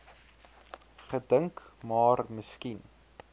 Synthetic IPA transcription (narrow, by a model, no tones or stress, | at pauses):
χədəŋkmɑːrməskin